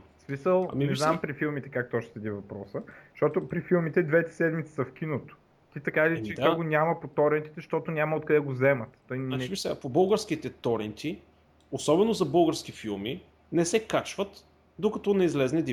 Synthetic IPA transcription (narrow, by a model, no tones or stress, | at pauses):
smisəl̰ˠminɛznampɾifilˠmit̪ɛ̥kak̚t̪ɔʃt̪sɐd̪ivɐpɾɔsəʃt̪ɔt̪opɾifilˠmit̪ɛd̪vɛt̪ɛ̥sɛd̪mit̪si̥sɐfkʲinot̪o̥ | t̪it̪ɐkailʲit͡ʃɛd̪kaɡonʲjamɐpot̪ɔɾɛnt̪i̥t̪ɛʃt̪ɔt̪onʲamɐot̪̚kɐd̪ɛɡozɛmɐt̪t̪ːɔjɛbisɛpobɤlˠɡəɾsk̟it̪ɛt̪ɔɾɛnt̪i | osɔbɛnozɐbɤlˠɡəɾsk̟ifilˠmi | nɛsɛkat͡ʃvət̪ | d̪okɐt̪ɔnɛizlɛznɛd̪i